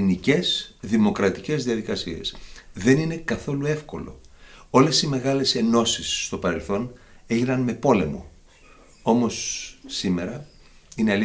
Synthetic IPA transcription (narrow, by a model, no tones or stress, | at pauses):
nice̞sðimo̞kɾɐt̪ice̞zðiɐðikɐsie̞̰sðe̞nine̞kɐθo̞lue̞fko̞̰lo̞̰o̞le̞sime̞ɣɐle̞se̞no̞sisːt̪o̞pɐɾe̞lθo̞ne̞ʝinɐnme̞po̞le̞mo̞̰ | o̞mo̞sːime̞ɾɐ | ineɐli